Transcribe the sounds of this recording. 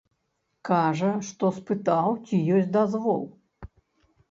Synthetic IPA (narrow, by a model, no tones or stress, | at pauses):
kaʐɐʂt̪ɔspɨt̪awt͡sʲijɔsʲtʲd̪azvɔ̰lˠ